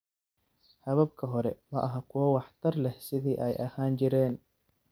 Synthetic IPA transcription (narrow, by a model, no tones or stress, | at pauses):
hɐβɐbkʰɐɦɔɾɛmɐʔɐɦɐkʰʊwɐwɑħt̪ʰɐrlɛhsɪðiːʔɛjʔɐhaːnt͡ʃɪɾɛːn